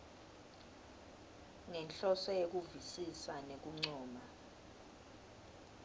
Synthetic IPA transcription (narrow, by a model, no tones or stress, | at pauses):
ŋɛnt͡ɬɔsɔjek̬uvisisanek̬uŋ͡ǀŋ͡ǀɔːma